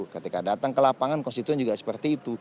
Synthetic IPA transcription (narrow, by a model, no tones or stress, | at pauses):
kət̪ikadat̪aŋkəlapaŋankɔnst̪it̪uɛnd͡ʒuɡasə̥pərt̪iːt̪u